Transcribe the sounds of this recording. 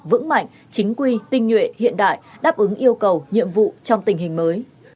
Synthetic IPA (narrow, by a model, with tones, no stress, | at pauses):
vɨ̰˧˥ŋma̰˧˨jŋ̟ | t͡ɕï˨˦ŋ̟kwi˧t̪ï˧ŋ̟ŋwḛ˧˨hḭ˧˨ənɗa̰ː˧˨jɗaː˦˥p̚ʔɨ˨˦ŋʔi˧əwkə˨˩wɲḭ˧˨əmvṵ˧˨t͡ɕɔ˧wŋ͡mt̪ï˨˩ŋ̟ɦï˨˩ŋ̟məː˨˦j